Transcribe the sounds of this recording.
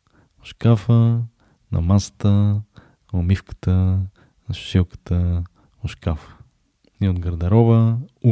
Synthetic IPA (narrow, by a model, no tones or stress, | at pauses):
oʃkafə | nɐ̰masə̥t̪ə | omifkə̥t̪ə | nɐʃʃiwkə̥t̪ə | oʃkafə̥ | iot̪ɡɐɾd̪ɐɾɔβəu